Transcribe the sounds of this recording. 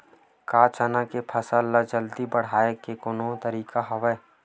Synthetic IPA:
kaːt͡ʃənakepʰəsəlːad͡ʒəld̪ibəɽ̤aːekekʊnõt̪əɾiːkaɦoʋeː

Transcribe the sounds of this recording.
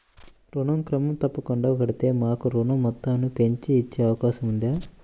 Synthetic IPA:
ɾuɳɐmkɾɐmɐmt̪ɐpːɐkuɳɖakɐɽit̪e̞ːmaːkuɾuɳɐmːɐt̪ːaːnupe̞ɲt͡ʃiːt͡ʃːeːɐʋɐkaːʃɐmund̪iaː

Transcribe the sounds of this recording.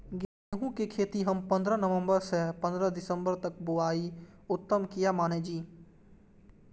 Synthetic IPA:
ɡe | ɦũkekʰeːt̪iɦɐmpə̃nd̪ɾənəʋə̃mbəɾsepə̃nd̪ɾəd̪ɪsə̃mbəɾt̪ək̚boaːiʊt̪ːəmkijamaːned͡ʒiː

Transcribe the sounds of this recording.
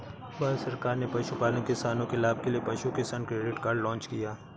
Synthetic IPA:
baːsɐɾkaːɾnepɐʃupaːlõkɪsaːnõkelaːb̚ʱkeliepɐʃukesɐnkɾeːɖɪʈkaːɾɖlɔ̃ːt͡ʃkijaː

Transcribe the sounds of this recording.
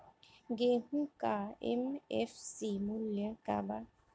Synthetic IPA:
ɡehukaɛ̰mɛ̰fsimuləka̰ba

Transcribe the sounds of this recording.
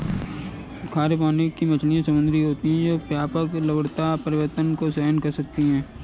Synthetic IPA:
kʰaːɾepaːnekːimɐt͡ʃʰlijãsɐmʊ̃nd̪ɾiɦoːt̪iɦɛ̃d͡ʒoːpjaːpəklɐbəɽt̪apɐɾɪʋəɾt̪ənkosɛɦnkɐɾsɐk̚t̪iɦɛ̃ː

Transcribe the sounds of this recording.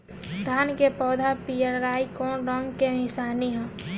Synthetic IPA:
d̪ʱaːnkepɔːd̪ʱapijəɾɾaːikɔ̃ɾɔ̃ŋɡkeɪsaːniɦɛ̃ː

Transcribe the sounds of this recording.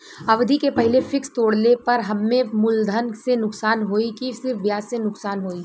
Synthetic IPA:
ɐʋd̪ʱikepɛɦɪlefɪkst̪oːɽnepɐɾɦɐmːẽmʊld̪ʱənsenʊksaːnɦoːikisɪɾfʋjaːsːenʊksaːnɦoːi

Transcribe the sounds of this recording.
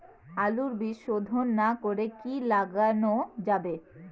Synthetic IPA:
aluɾbiʃod̪ʱonːakoɾekilaɡanod͡ʑabe

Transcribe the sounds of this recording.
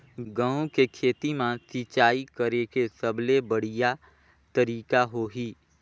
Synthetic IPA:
ɡə̃ũkekʰeːt̪imãsit͡ʃaːikəɾekesəblebəɽ̤ija | t̪əɾiːkaɦoːɦiː

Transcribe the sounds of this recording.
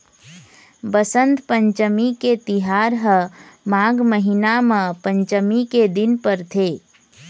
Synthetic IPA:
bəsə̃nt̪pə̃ɲt͡ʃəmiket̪ɪɦaːɾɦəmaːɡməɦinamãpə̃ɲt͡ʃəmiked̪ɪnpəɾt̪ʰeː

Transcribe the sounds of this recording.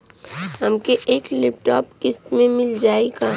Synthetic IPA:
ɦɐmkeʔeːklɪp̚ʈɔːpkɪst̪mẽmɪld͡ʒaːeɡaː

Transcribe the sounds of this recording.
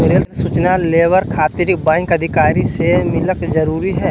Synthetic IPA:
eɾelsuːt͡ʃnaleːʋəɾkʰaːt̪ɪɾɪkbãːŋkɐd̪ʱɪkaːɾisemɪləkzɐɾuːɾiɦɛː

